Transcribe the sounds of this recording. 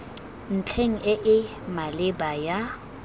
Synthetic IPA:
n̩t͡ɬʰeŋ̩ɪʔɪ | malɪbaja

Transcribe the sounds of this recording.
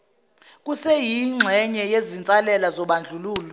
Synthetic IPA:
k̬ʼusɛjiŋ͡ǁʱɛɲɛjezint͡sʼalɛlazɔɓand͡ɮʱuluːlɔ

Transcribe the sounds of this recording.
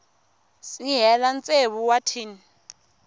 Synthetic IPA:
siɦɛlant͡sʼeβuwatʰiːni

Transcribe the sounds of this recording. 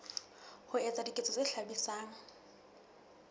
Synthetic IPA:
hʊɛt͡sʼadikʼet͡sʼɔt͡sʼeɬabisaːŋ̩

